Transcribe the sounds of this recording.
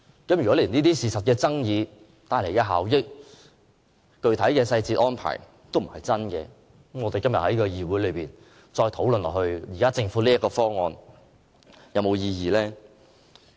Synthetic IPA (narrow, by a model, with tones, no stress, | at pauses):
kɐ˨˥mjy˨kɔ˨˥liː˨˩niː˥t̪iː˥siː˨˩sɐ˨t̚kɛː˧t͡sɐ˥ŋjiː˨˧ | t̪aː˧jle˨˩jkɐ˧ɦaː˨˩wjɪ˥k̚ | kɵ˧ɥt̪ʰɐ˨˥jkɛː˧sɐ˧jt͡siː˧t̚ʔɔː˥npʰa̰ː˨˩j | t̪o˥wm̩˨˩hɐ˨jt͡sɐ˥nkɛ̰ː˧˥ | mŋɔː˨˧t̪e˨jkɐ˥mjɐ˨t̚hɐ˨˦jkɔː˧jiː˨˧wuː˨˥jlɵ˨˧ɥpiː˨˩n | t͡sɔː˧jt̪ʰo˨˥wlnlɔ̰ː˨˩hɵ˧ɥjiː˨kaː˥t͡sɪ˧ŋfuː˨˥liː˥jɐ˥kɔː˧fɔː˥ŋɔː˧n | jɐ˨˧wmo˨˧wjiː˧jiː˨lɛː˥